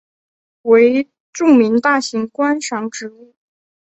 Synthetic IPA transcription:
we˧˥ɪ | ʈ͡ʂʊ˥˩ŋmi˧˥ŋt̪a˥˩ɕi˧˥ŋkwa˥nʂɑ˧˥ŋʈ͡ʂɻ̩˧˥u˥˩

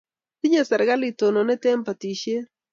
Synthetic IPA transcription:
t̪i˦ɲa˨sa˨ɾɣa˦li˨t̪o˨no˨ne˦t̪e˦mpa˨t̪i˨ʃe˦

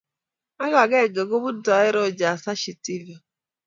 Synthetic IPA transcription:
a˦ɣa˨ɡe˦˨ɡe˨ɡo˦bu˦dɔ˨˦ɪ˦ɾɔ˦˨d͡ʒa˨sa˦ʃi˨ti˦va˨

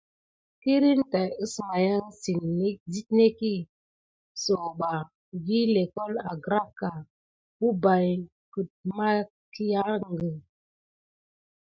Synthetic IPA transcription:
ki˦ɾi˦n˦ta˨ɨ˦sma˨ja˦ŋsi˨ne˦zi˦tne˦ki˦ | so˨ɓa˨ | vi˦le˨kɔ˦la˨ɡɾa˦kːa˨ | bu˦ba˨j | ku˨t̚ma˦ | ki˦ja˦ŋ˨ɡə˨

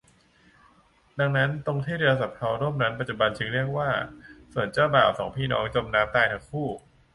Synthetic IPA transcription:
da˧ŋna˦˥nt̪o˧ŋt̪ʰiː˥˩ɾe˧sa˨˩p̚pʰa˧wɾu˥˩mna˦˥npa˨˩t̪̚t͡ɕu˨˩ba˧nt͡ɕ̪ʰɯ˧˦ŋɾi˥˩ək̚waː˥˩su˨˩ənt͡ɕaː˥˩wbaː˨˩wsɔ̰ː˩˦ŋpʰiː˥˩nɔ̰ː˦˥ŋt͡ɕo˧mnaː˦˥mt̪aː˧jt̪ʰa˧˥ŋkʰuː˥˩

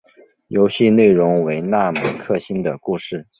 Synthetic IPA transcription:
jo˧˥ʊɕi˥˧ne˥˩ɪɻʊ˧˥ŋwe˧˥ɪna˥˩mə˧˥nkʰɤ˥˩ɕi˥nd̪ə˨ku˥˧ʂɻ̩˥˩

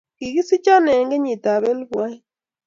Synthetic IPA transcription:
ki˨ɣi˦si˦t͡ʃa˦nɛ˨ŋɡe˦ɲi˨ta˨βɛ˦lbwa˦j

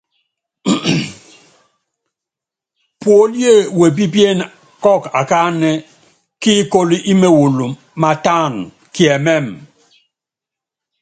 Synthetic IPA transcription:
pwo˨˦lje˦˨we˨bi˦bje˦˨n | kɔ˦˨ka˨ka˦nɛ˦ | ki˦ko˦li˦ʔi˦me˨wu˨lu˨ | ma˨ta˦˨n | ki˨ɛ˨mɛ˦˨m

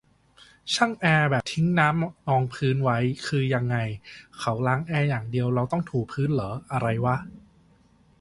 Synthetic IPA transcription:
t͡ɕʰa˥˩ŋʔɛː˧bɛː˨˩p̚t̪ʰi˦˥ŋnaː˦˥mnɔː˧ŋpʰɯː˦˥nwa˦˥jkʰɯː˧ja˧ŋːa˧jkʰa˩˦˥wlaː˦˥ŋʔɛː˧jaː˨˩ŋdi˧əwɾa˧wt̪ɔ˥˩ŋt̪ʰuː˨˩k̚pʰɯː˦˥nlɤː˩˦ʔa˧ɾa˧jwa˦˥

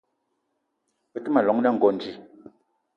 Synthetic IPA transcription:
pɛ˦˨tɨ˦ma˨lɔ˨˦ŋnɛ˦˨ŋ̩˨ɡɔ˨n˨d͡ʒi˨

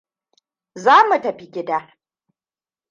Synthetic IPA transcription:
zaː˦mu˨tɐ˨ɸi˦ɡʲɪ˦daː˦

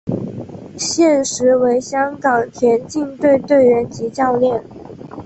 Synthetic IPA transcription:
ɕjɛ˥˩nʂɻ̩˧˥we˧˥ɪɕjɑ˥ŋkɑ˨˩ŋt̪ʰjɛ˧˥nt͡ɕi˥˧ŋt̪we˥˧ɪt̪we˥˩ɪɻə˧˥nt͡ɕi˧˥t͡ɕjɑ˥˧ʊljɛ˥˩n

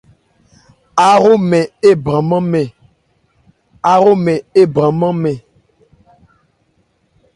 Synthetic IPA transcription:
a˨ɾo˦mɛ̃˨e˦bɾã˨mã˦mɛ̃˨ | a˨ɾo˦mɛ̃˨e˦bɾã˨mã˦mɛ̃˨

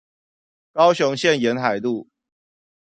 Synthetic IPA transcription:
kɑ˦ʊɕʊ˨˦ŋɕjɛ˥˨njɛ˨˦nxa˨˩ɪt̪u˥˨

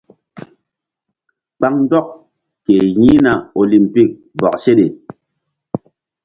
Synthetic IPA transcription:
k͡pa˦ŋn˦dɔ˦k̚ | ke˨ɲi˦na˨o˨li˨m˨pi˦˨k̚ | bɔ̰˨k̚se˦ɗe˨

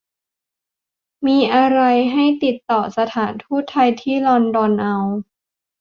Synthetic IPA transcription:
miː˧ʔa˧ɾa˧jɦa˥˩jt̪i˨˩t̪ːɔː˨˩sa˧t̪ʰaː˩˦nt̪ʰuː˥˩t̪ʰːa˧jt̪ʰiː˥˩lɔː˧ndɔː˧nʔa˧w

